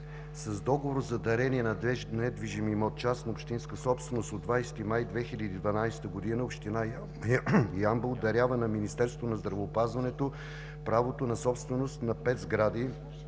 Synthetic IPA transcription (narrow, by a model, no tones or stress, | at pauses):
sɐzd̪ɔɡovoɾzɐd̪ɐɾɛniɛnnɛd̪viʒimimot̪t͡ʃasnəopʃt̪inskəsɔpst̪vɛnost̪od̪vajsɛ̥t̪imajd̪vɛxilʲəd̪iːd̪vɐnajsɛ̥t̪əɡod̪inəopʃt̪ina | jambəlˠd̪ɐɾʲjavənɐminist̪ɛɾst̪vot̪onɐzd̪ɾɐvəːpazvɐnɛt̪o | pɾavot̪onɐsɔpst̪vɛnost̪nɐpɛt̪zɡɾad̪i